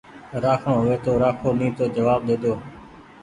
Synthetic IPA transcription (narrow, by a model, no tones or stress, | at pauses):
ɾaːkʰɽõːɦʊʋeːt̪oːɾaːkʰoːnĩːt̪oːd͡ʒəʋaːb̚ɗ̪eːd̪oː